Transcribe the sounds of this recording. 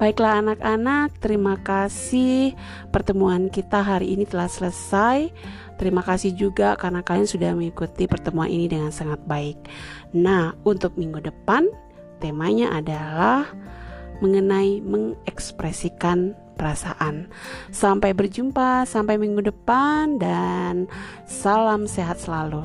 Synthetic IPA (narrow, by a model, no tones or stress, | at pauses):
b̥aiklaɦːnakanak̚t̪əɾimakasɪh | pərt̪əmuankit̪aɦaɾiʔːnit̪əlahsələsaj | t̪əɾimakasɪhd͡ʒuɡakarənakaaŋsudahməŋikut̪ipərt̪əmuanʔḭnidəŋansaŋat̪̚baɪk̚ | nahunt̪ʊk̚miŋɡudəpan | t̪emaɲaʔadalahməŋənaiməŋɛkspɾɛsikan | pəɾasaʔansampajbərd͡ʒumpasampajmiŋɡudəpandan | salamseɦat̪̚səlalu